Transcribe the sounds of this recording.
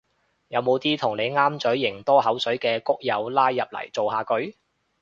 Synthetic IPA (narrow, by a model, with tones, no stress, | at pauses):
jɐ˨˧wmo˨˧wt̪iː˥t̪ʰʊ˨˩ŋne˨˧jŋaː˥mt͡sɵ˨˥ɥːɪ˨˩ŋt̪ɔː˥ɦɐ˨˥wsɵ˨˥ɥkɛː˧kʊ˥k̚jɐ˨˧wlaː˥jːɐ˨p̚lɐ̰˨˩jt͡so˨wɦaː˧kɵ˨˥ɥ